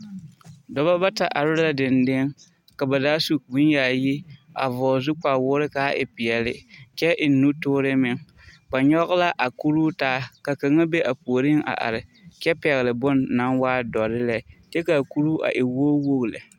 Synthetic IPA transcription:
dɔ˨ba˦ba˦ta˨ʔa˨ɾɪ˦la˦dɪ˨ndɪ˦ŋ | ka˨ba˨daː˦su˦bu˦nja˨ji˦a̰˨vɔː˨zʊ˦k͡pa˨wʊː˦ɾɪ˦ka˨˦ʔɪ̰˨pɪ˨jɛ˨lɪ̰˦t͡ʃɛ˦ʔɪ˨nːu˦tʊː˦ɾɪ˦mɪ˨ŋ | ba˨ɲɔ˦ɣla˦ʔa˨ku˦ɾuː˦taː˦ka˨ka˨ŋa˦be˦ʔa˨po˨ɾɪ˦ŋa̰˨ʔa̰˨ɾɪ˨t͡ʃɛ˦pɛ˨ɣɪ˨lɪ˨bʊ˦nːa˦nwaː˦dɔ˨ɾɪ˦lɛ˦t͡ʃɛ˦ka˨ku˦ɾu˦ʔa̰˨ʔɪ˨woː˦wo˦ɣlɪ˨

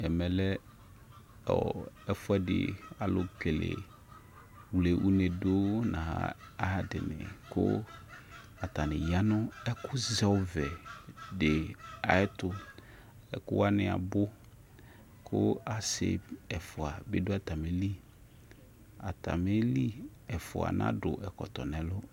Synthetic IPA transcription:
ɛ˨mɛ˨lɛ˦ | ɔ̰˨ɛ˦fʊ˦ɛ˦dɪ̰˨a˨lʊ˨ke˨lḛ˨ | wle˨ʔu˦ne˨do˦nã̰˨ɦa̰˨˦ | a˦ɦa˨dɪ˨nɪ̰̃˨kʊ̰˦ | a˨t̪a˨nɪ̰̃˨ja˦nʊ̃˦ɛ˦kʊ˦zɛ˦wvɛ˨dɪ˨a˨ɪ˦tʊ˨ | ɛ̰˨kʊ˦wa˦nɪ˨a̰˨bʊ˦ | kʰʊ˦a˨sɪ̰˨ɛ˨fʊ˨a˨bɪ˦dʊ˦a˨t̪a˨me˨li˦ | a˨t̪a̰˨me˦li˦ | ɛ˨fʊ̰˨a̰˨nã̰˦dʊ˨ʔɛ˨kɔ̰˨t̪ɔ˨nɛ̃˨lʊ˦

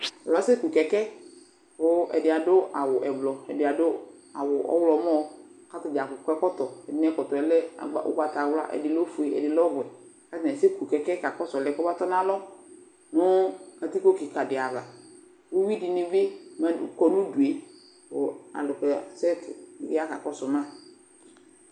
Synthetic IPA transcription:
ɔ˨lɔ˨˦se˦ku˨kɛ˨kɛ˦ | bʊ˦ʔɛ̰˨dɪ˨a˨dʊ˦a˨wʊ˨ʔɛ˨blɔ˨ɛ̰˨dɪ˨a˨dʊ˦a˨wʊ˨ʔɔ̰˦wlɔ˨˦mɔ˦ka˦tɪ˨d͡ʒa˨kʊ˨kʷɛ˦kɔ˦t̪ɔ˨ɛ˨dɪ˨n˦ɛ˦kɔ˨t̪ɔ˨ɛ˨˦lɛ˦a̰˨ɡ͡bʊ̰˦ɡ͡ba˨ta˨wla̰˦ʔɛ̰˨dɪ˨lɔ˦fu˨e˨ɛ̰˨dɪ˨lɔ˦ɡɛ˨ | ka˦tɪ˨nɛ˨se˦ku˨kɛ˨kɛ˦ka˨kɔ˦sɔ˨lɛ˨kɔ˦ba˦tɔ˦nã˦lɔ˦ | nʊ˦ka˨ti˦ko˦ki˨ka˨dɪ˨a˨va˨ | wʊ˦wi˦dɪ˨nɪ˦bɪ˦ma˦kɔ˨nũ˦du˨e˨ | ʊ˨a̰˨lʊ˨kɛ˨sɛ˦tɪ˦a˦ka̰˨kɔ˦sɔ˨mã˦˨

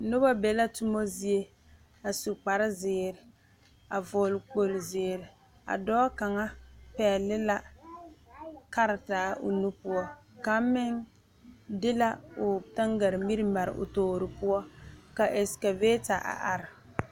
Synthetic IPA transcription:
nʊ˦ba˦bɛ˨la˦tʊ˦mo˦zi˦e˦ | a˨su˨k͡pa˨ɾɪ˦zɪː˨ɾɪ˨ | a˨vɔ˨lk͡po˨lzɪː˨ɾɪ˨ | a̰˨dɔː˦ka˨ŋa˦pɛː˨lɪ˦la˦ | ka˦ɾɪ˨taː˨˦ʔʊ̰˨nu˦pu˦ɔ˦ka˨˦mɪ˦n | dɪ˦la˦ʊ˨ta˦ŋɡa˨ɾɪ˨mi˦ɾɪ˦ma˨ɾɪ̰˨ʔʊ̰˨toː˨ɾɪ˨pu˦ɔ˦ka˨ʔɛ˨ska˨veː˦ta˨ʔa̰˨ʔa˨ɾɪ˨

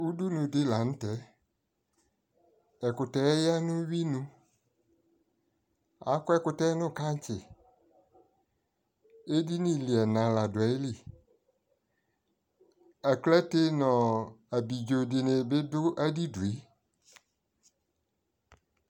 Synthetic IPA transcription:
u˦du˦nũ˨dɪ˦la˨ñ̩˦tɛ˦ | ɛ˨kʊ˨tɛ˨˦ɛ˦ja˦nʊ̃˦wi˦nũ˦ | a̰˨˦kʊ˦ɛ˦kʊ˨tɛ˦nʊ̃˦ka˦t͡ɕɪ˨ | e˦di˦nĩ˦li˨ɛ˨nã˨la˨dʊ˨a˨˦jli˨ | ɛ˨klɛ˦te˦nɔ̃˨a˨bi˨d͡ʒo˨dɪ˨nẽ˨be˦dʊ˦ʔa˦di˦du˨e˦

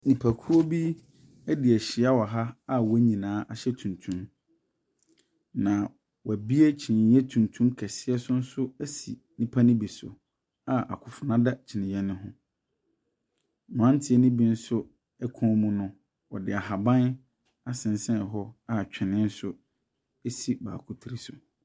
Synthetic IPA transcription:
nĩ˨pʰa˨kʰu˦o˦bi˦ | ɛ˦dɪ˨æ˨ɕɪ˨a˦wɔ˨ɦa˦a˦wɔ˦ɲĩ˨nãː˨˦ʔa˨ɕɛ˦tʰũ˨ntʰũ˨˦m | nã˨ | wɔ˨æ˨bi˦e˦t͡ɕʰi˨nɪ̃˨˦ɛ˦tʰũ˨ntʰũ˦mkʰɛ˨sɪ˦ɛ˦sʊ˦n̩˦sʊ˦æ˦sḭ˨ | nĩ˦pʰa˦nɪ̃˦bi˨sʊ̰˨ | a˦ʔa̰˨kʰʊ˨fʊ˨nã˦da˦t͡ɕʰɪ˨nɪ̃˨jɛ˦nɪ̃˦ɦʊ̃˦ | mʊ̃˨ã˦ntʰɪ˦ɛ˦nɪ̃˦bi˦n̩˦sʊ˦ | ɛ˦kʰɔ̃˨˦mũ˦nʊ̃˦ | wɔ˨dɪ˨a˨ɦa˨bã˦n | a˦sɪ̃˨n˦sɛ̃˦˨ɦɔ˦a˦˨t͡ɕᶣʰɪ˨nɪ̃˦n̩˦sʊ˦ | e˦si˨ba̰ː˨kʰʊ˦tʰi˨ɾi˦sʊ̰˨

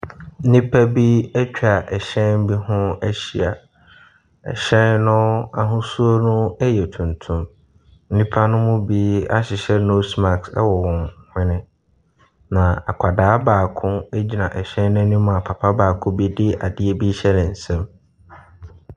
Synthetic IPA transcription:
n̩˦nĩ˦pʰa˦bi˦æ˦t͡ɕᶣa˨ʔɛ˨ɕɛ̃˦n˦bi˦hʊ̃˦æ˦ɕi˨a̰˨ | ɛ̰˨ɕɛ̃˦nnʊ̃˦a˦ɦʊ̃˦su˦o˦nʊ̃˦ɛ˦jɛ˨tʰũ˨ntʰũ˦m | n̩˦nĩ˦pʰa˦nʊ̃˦mʊ̃˦biː˦a̰˦ɕɪ˨ɕɛ˦no˦sma˨ksɛ̰˦wɔ˨wɔ̃˨ŋhɪ̃˦nɪ̃˦ | nã˨a̰˨kʰa˨daː˨˦baː˨kʰʊ̃˦e˦d͡ʑi˨nã˨ʔɛ˨ɕɛ̃˦nʊ̃˦nĩ˦mʊ̃˦a˨pʰa˨pʰa˦baː˨kʰʊ̃˦bi˦dɪ˦a̰˨dɪ˦e˦bi˦ɕɛ˦nɪ̃˨n̩˨sɛ̃˦m

